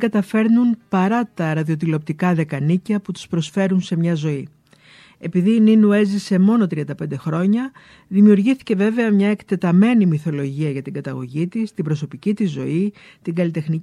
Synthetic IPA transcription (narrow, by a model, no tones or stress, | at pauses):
ɡɐt̪ɐfe̞ɾnunpɐɾɐt̪ɐɾɐðio̞t̪̬ilo̞pt̪ikɐðe̞kɐnicɐput̪u̥spɾo̞sfe̞ɾunse̞mɲɐzo̞i | e̞piðiːninue̞zise̞mo̞no̞t̪ɾiɐnd̪ɐpe̞nd̪e̞xɾo̞ɲɐ | ðimiuɾʝiθi̥ce̞ve̞ve̞ɐmɲɐe̞kt̪e̞t̪ɐme̞nimiθo̞lo̞ʝiɐʝɐt̪iŋɡɐt̪ɐɣo̞̰ʝit̪ist̪ibɾo̞so̞picit̪izːo̞̰i | t̪iŋɡɐlit̪e̞xni